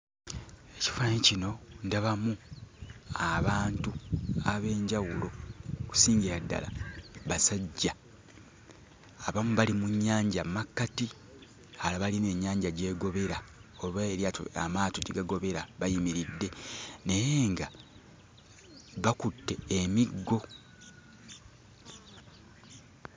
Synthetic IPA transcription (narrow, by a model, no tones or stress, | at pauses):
e̞ci̥fancino̞ndaβamu | aβaːntuaβe̞ːɲɟawulo̞ku̥siːɲɡiɾadːa̰la̰βasaɟːa | βamuβalimuɲːaːɲɟamakːati | halaβaline̞ːɲːaːɲɟaɟe̞ːɡo̞βe̞ɾaolwaeɾjaoa̰maːtoɟiɡaɡo̞βe̞ɾaβajimiɾidːe̞ne̞je̞ːŋɡa | βakutːe̞ːmiɡːo̞